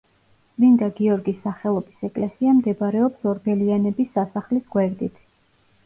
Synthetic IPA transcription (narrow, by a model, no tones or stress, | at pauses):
mind̪aɡiɔɾɡisːaχɛlˠɔbisɛkʼlɛsiamd̪ɛbaɾɛɔpsɔɾbɛlianɛbisːasaχlisɡwɛɾd̪it̪ʰ